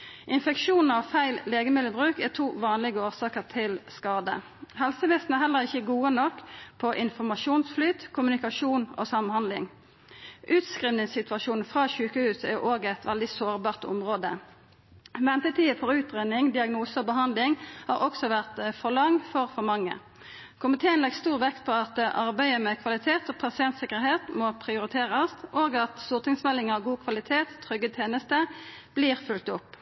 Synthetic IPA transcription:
ʔɪnfɛkʃuːn̩ɑʋfæɪlleːɡəmɪd̪ləbʁʉːkæːʁt̪ʰuːʋɑːnlɪɡəoːʁsɑːkəʁt̪ʰɪlskɑːd̪ə̰ | hɛlsəʋɛsn̩æʁhɛlːəʁɪçəɡuːənɔkːpʰɔʔɪnfɔʁmɑʂuːnsflyːt̪kʰʊmʉnɪkɑʃuːno̰ːsɑmnhɑnd̪lɪ̰ŋ | ʔʉːt̪skʁiːʋnɪŋssɪt̪ʉʋɑʃuːn̩fʁɑːʃʉːkəhʉːsæ̰ʁoːɡɛt̪ʋɛld̪ɪsoːʁbɑːʁt̪ʊ̰mʁoːd̪ə | ʋɛnt̪ət̪ʰiːəfɔʁʉːt̪ʁenɪŋd̪ɪɑɡnuːsəɔbəɦɑnd̪lɪŋhɑ̰ːʁɔksɔʋæʁt̪fɔʁlɑŋfɔʁfɔʁmɑŋːə̰ | kʰʊmɪt̪ʰeːənlɛɡst̪uːʁʋɛkt̪̚pʰɔɑt̪ʔɑʁbæɪəmɛkʰʋɑlɪt̪ʰeːt̪ɔpʰɑsɪɛnt̪sɪkəʁɦeːt̪mopʰʁɪʊʁɪt̪ʰeːʁəst̪ʔoːɡɑt̪sʊʁt̪nɪŋsmɛlɪŋɑʋɡuːkʰʋɑlɪt̪ʰeːt̪tʰːʁʏɡːət̪ʰeːnəst̪əb̥liːʁfʉlt̪ʊpː

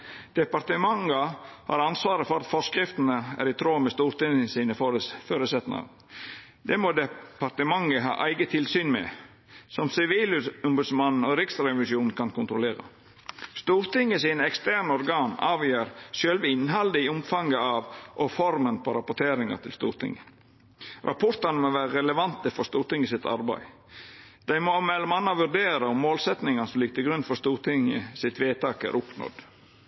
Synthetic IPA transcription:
d̪̥ɛpɑɾt̪əmɑŋɑhɑ̰ːɾɑnsʋɑːɾəfɔɾɑt̪fɔʂkɾɪft̪nəæ̰ɾɪt̪ʰɾoːmɛst̪uːɾt̪ɪŋəsiːnəfføːɾəsɛt̪nɑ̰ | d̪̥ɛmod̪ɛpɑɾt̪əmɑŋəɦɑ̰ːʔæɪɡət̪ʰɪlsyːnmɛ̰ | sɔmsɪʋiːlɔmbʉd̪smɑnn̩ɔɾɪksɾɛʋɪʂuːnnkʰɑnkʊnt̪ɾʊleːɾɑ̰ | st̪uːɾt̪ɪŋːəsiːnəɛkst̪æːɳɔɾɡɑːnɑ̰ːʋjøːɾsœlʋɪnɦɑld̪əɪʊmfɑŋɡəɑʋʔɔfɔɾmənpʰɔɾɑpʊt̪ʰeːɾɪŋɑ̰ɾt̪ʰɪlst̪ṵːɾt̪ʰɪ̰ŋːə | ɾʔɑ̰pʰɔɾt̪ɑnəmoʋæːɾəɾɛləʋɑnt̪əfɔɾst̪uːɾt̪ɪŋːəsɪt̪ʰɑ̰ɾbæ̰ɪ | d̪̥æɪmɔmɛlɔmɑnːɑʋʉɖ̪eːɾəʊmːoːlsɛt̪nɪŋɑnəsɔmliːk̚t̪ʰəɡɾʉnfɔɾst̪uːɾt̪ʰɪŋə̰sɪt̪ʋeːt̪ʰɑːkæ̰ɾʔʊpnɔ̰d̪̥

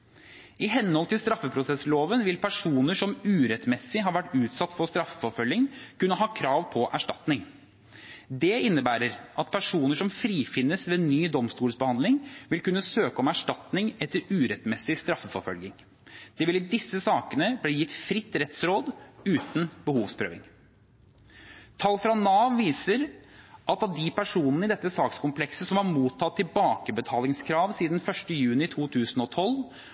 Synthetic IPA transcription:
ɪɦɛnːhɔlt̪ʰɪlst̪ɾɑfːəpʰɾʊsɛsloːʋənʋɪlpʰæʂuːnəʂɔmʉːɾɛt̪mɛsːɪɦɑːɾʋæʈːʉːt̪sɑt̪ːfɔst̪ɾɑfəfɔɾfœljɪŋkʰʉnːəɦɑːkʰɾɑːʋpʰɔʔæʂʈɑt̪nɪŋ | d̪ɛɪnːəbæːɾəɾʔɑt̪pʰæʂuːnəʂɔmfɾiːfɪnːəsʋeːnyːd̪ɔmst̪uːləsbəhɑnd̪lɪŋʋɪlkʉnːəsøːkəɔmæʂʈɑt̪nɪŋɛt̪ːəɾʉːɾɛt̪mɛsɪst̪ɾɑfːəfɔɾfœlɡɪŋ | d̪̥ɛʋɪlɪd̪ɪsːəsɑːkənəbliːjɪt̪ːfɾɪt̪ːɾɛt̪sɾoːd̪ʉːt̪nbəhuːʋspʰɾø̰ːʋɪ̰ŋ | t̪ʰɑlːfɾɑnɑːʋʋiːsəɾʔɑt̪ɑd̪ɪpʰæʂuːnnəɪd̪ɛt̪ːəsɑːkskʊmplɛksəsɔmɑɾmuːt̪ʰːɑt̪ʰːɪlbɑːkəbət̪ʰɑːlɪŋskʰɾɑːʋsiːd̪nfœʂʈəjʉːnɪt̪ʰuːt̪ʰʉːsn̩ɔt̪ʰɔl

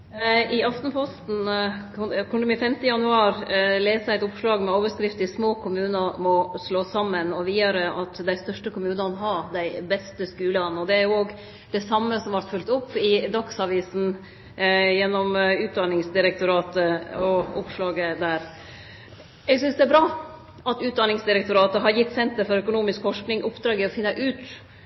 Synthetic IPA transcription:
ɪɑft̪n̩pʰɔst̪n̩ | kʰɔnd̪əmɛfɛmt̪əjɑnʉɑːɾleːsəæɪt̪ʊpʂɭɑːɡmɛoːʋəʂkɾɪft̪ɪsmoːkʰʊmʉːnəmɔsloːsɑmːənɔʋiːd̪ɑɾəɑt̪d̪æɪst̪œʂʈəkʊmʉːnɑnɦɑd̪æɪbɛst̪əskʉːlɑnɔd̪ɛæɾjʊoːɡ | d̪ɛsɑmːəsɔmʋɑɾt̪fʉlt̪ʊpːɪd̪ɑksɑʋiːsn̩ | jɛnːɔmʉːt̪̚d̪ɑnɪŋsd̪ɪɾɛk̚t̪ʊɾɑːt̪əɔʊpʂlɑːɡəd̪æːɾ | ɛɡsʏnsd̪ɛæɾbɾɑː | ʔɑt̪ʉːt̪̚d̪ɑnɪŋsd̪ɪɾɛk̚t̪ʊɾɑːt̪əɦɑɾjɪt̪ːsɛnt̪əɾfɔɾœkʊnuːmɪskfɔʂknɪŋʔʊpd̪ɾɑːɡɪɔfɪnːəʔʉːt̪

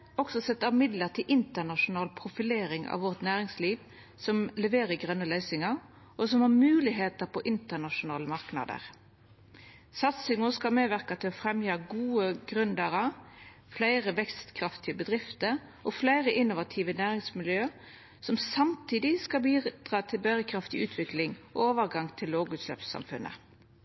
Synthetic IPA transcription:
ɔɡsɔsɛt̪ːəmɪd̪ləʁt̪ʰɪlʔɪnt̪ənɑʂʊnɑːlpʰɾʊfɪleːɾɪŋɑ̰ʋɔʁt̪næːʁɪŋsliːʋ | sɔmlɛʋeːɾəɡʁœnːəlœʏsɪŋɑ | ʔɔsɔmhɑʁmʉːlɪɦeːt̪əpʰɔʔɪnt̪əʁnɑʂʊnɑːləmɑʁknɑ̰ːd̪ə̰ʁ | sɑt̪sɪŋʊskɑlmeːʋæʁkɑt̪ʰɪlɔfɾɛmjɑːɡuːəɡʁʉnd̪əʁə | flæɪʁəʋɛkst̪kʰʁɑft̪ɪəbəd̪ʁɪft̪əɾ | ʔɔflæɪʁəʔɪnʊʋɑt̪ʰiːʋənæːʁɪŋsmɪljøː | sɔmsɑmt̪ʰiːd̪ɪskɑbiːd̪̥ʁɑːt̪ʰɪlbæʁəkʰɾɑft̪ɪʔʉːt̪ʰʋɪklɪŋʔɔ̰oːʋəʁɡɑŋt̪ʰɪlːoːɡʉːt̪slœ̰ːpsːɑ̰mfʉ̰nʔə̰

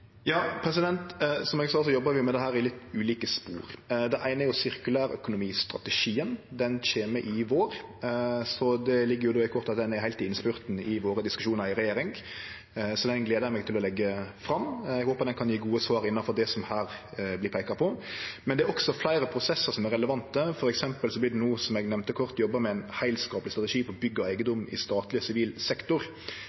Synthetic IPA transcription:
jɑːpʰɾɛsɪd̪ɛnt̪sɔmɛɡsɑːs̬ɔjɔbːəʋɪjʊmɛd̪ɛɦæːɾɪlɪt̪ːʉːliːkəspṵːɾd̪ɛʔæɪnəjʊsɪɾkʉlæːɾœ̰kʊnʊmiːst̪ɾɑ̰t̪əʃiːənd̪ɛnʃeːməʔɪʋoːɾ | sɔd̪ɛlɪɡːəɾjʊd̪oːɪkʰɔɾt̪ɑt̪̚d̪ɛnɛɾhæɪt̪ɪnːspʉɾt̪nɪʋoːɾəd̪ɪskʉʃuːnəɾɪɾɛjeːɾɪŋ | sɔd̪ɛnɡleːd̪əɾmɛɡ̚t̪ʰɪlɔlɛɡːəfɾɑmːɛɡhoːpɑt̪d̪ɛnkʰɑnjiːɡuːəsʋɑːɾɪnːɑnfɔɾd̪ɛsɔmhæːɾblɪpʰæɪkɑpʰɔmɛnɛæɾɔksɔflæɪɾəpʰɾʊsɛsːəɾsɔmɛɾɛləʋɑnt̪əfɔɾɛksɛmpəlsɔblɪd̪ɛnuːsɔmɛɡnɛʋnt̪əkʰɔɾt̪jɔbːəmɛæɪnhæɪlskɑːplɪst̪ɾɑt̪ɛʂiːpɔɾɔbʏɡːəɔæɪɡənd̪ʊmːɪ̰st̪ɑːt̪lɪsɪʋiːlsɛkt̪ʊɾ

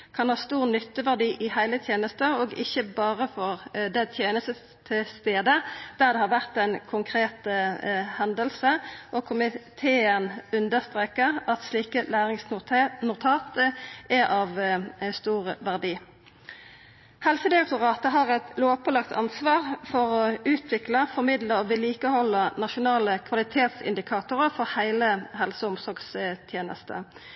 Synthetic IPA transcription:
kʰɑnhɑːst̪uːʁnʏt̪ːəʋæʁd̪iːʔɪhæɪlət̪ʰjeːnəst̪əoːɡɪçəbɑːʁəfɔʁd̪ɛt̪ʰjeːnəst̪ə | t̪ʰːɪlst̪eːd̪əd̪̥æʁd̪ɛhɑʁʋæʁt̪æɪnkʰʊŋkʰʁeːt̪ | hɛnd̪əlsəʔɔkʰʊmɪt̪ʰeːənʉnd̪əʁst̪ʁeːkəʁɑt̪sliːkəlæːʁɪŋsnʊt̪ʰɑːt̪əʔɛʔɑʋst̪uːʁʋæʁd̪iː | hɛlsəd̪ɪɑk̚t̪ʊʁɑːt̪əɦɑʁɛt̪loːpʰɔlɑkt̪ʰɑ̰nsʋɑːʁfɔʁɔʉːt̪ʰʋɪkləfɔʁmɪd̪ləɔʋɪliːkəhɔlːənɑʃʊnɑːləkʰʋɑlɪt̪ʰeːt̪sɪ̰nd̪ɪkʰɑːt̪ʊʁəfɔʁhæɪləɦhɛlsəʊmsɔʁɡst̪ʰjeːnə̰st̪ə̰

